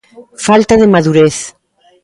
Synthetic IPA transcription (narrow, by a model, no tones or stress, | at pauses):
falt̪aðemaðuɾeθ